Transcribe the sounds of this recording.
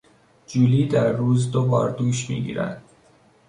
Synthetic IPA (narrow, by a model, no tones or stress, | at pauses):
d͡ʒuːliːd̪æɾːuːzd̪obɒːɾd̪uːʃmḭːɡḭːɾæ̰nd̪